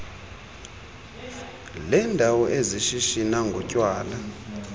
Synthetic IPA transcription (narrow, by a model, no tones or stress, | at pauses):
lɛndʱawɔʔeziʃiʃinaŋɡʱɔcʼwaːla